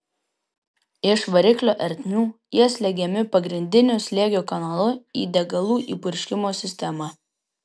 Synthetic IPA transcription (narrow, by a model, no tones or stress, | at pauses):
ɪʃʋɐɾʲɪklʲoːʔɛɾʲt̪ʲnʲuːjiɛsʲlʲɛɡʲɛmʲɪpɐɡɾʲɪnʲd̪ʲɪnʲʊsʲlʲeːɡʲoːkɐnaːlˠʊḭːd̪ʲɛɡɐlˠuːʔḭːpʊɾʲʃʲkʲɪmoːsʲɪsʲt̪ʲɛmɑ